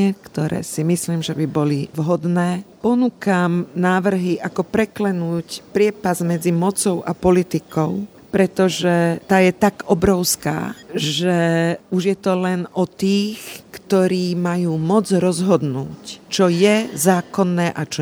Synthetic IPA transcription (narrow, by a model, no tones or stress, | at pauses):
ɛkt̪ɔɾɛ̰ːsimisliːmʒɛbibɔliʋɦɔd̪nɛːpɔnukamnaːʋr̩ɦiʔakɔpɾɛklɛnuːcpɾɪɛpazmɛd͡zimɔt͡sɔʊʔapɔlit̪ikɔʊ | pɾɛt̪ɔʒɛt̪aːjɛt̪aɡɔbɾɔʊska̰ːʒɛuʒjɛt̪ɔlɛnɔt̪iːxkt̪ɔɾiːmajuːmɔd͡zɾɔzɦɔd̪nṵːct͡ʃɔjɛzaːkɔnːɛːʔat͡ʃɔ